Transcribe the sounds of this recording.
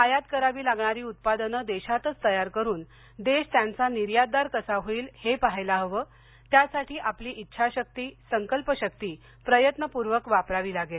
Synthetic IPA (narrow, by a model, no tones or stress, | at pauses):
ajat̪̚kəɾaʋiːlaɡɳaɾiːut̪̚pad̪ənəd̪eɕat̪ət͡st̪əjaɾkəɾuːn | d̪eɕt̪jant͡saniɾjad̪aɾkəsaɦoiːlhepaɦajlaɦəʋəː | t̪jasaʈʰiːʔapliːʔitːɕʰaɕək̚t̪iːsəŋkəlpəɕəkt̪iː | pɾəjət̪nəpuɾʋəkʋapɾaʋiːlaɡel